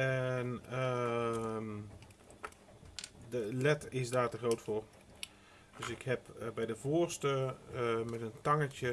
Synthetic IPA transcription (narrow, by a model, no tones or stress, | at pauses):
ɛnə | dəlɛtɪsdaːtəχrowtfʊr | d̥øsɪkhɛpbɛjdəvoːrstəmɛtəntaŋət͡ʃə